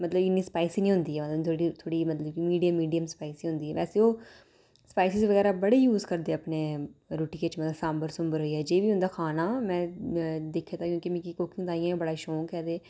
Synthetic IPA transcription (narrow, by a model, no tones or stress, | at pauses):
mət̪ləbɪnːiːspaːisiːnĩːɦʊ̃nd̪iːɛːmət̪lət̪ʰoɽit̪ʰoːɽiːmət̪ləbkimiːɖijəmːiːɖijəmspaːisiːɦʊ̃nd̪iːɛːʋɛːseːoː | spaːɪsɪzʋəɡɛːɾaːbəɽeːjuːzkəɾd̪eːəpneːɾuːʈiːket͡ʃmət̪ləbsãːmbəɾsʊmbəɾɦoːiːɛːd͡ʒeːʋiːɦʊ̃nd̪aːkʰaːnaːmɛ̃ːd̪eːkʰːeːt̪aːkjõːkɪmɛ̃ːkikoːkɪŋɡd̪aːijãːebəɽaːʃoːkɛːd̪eː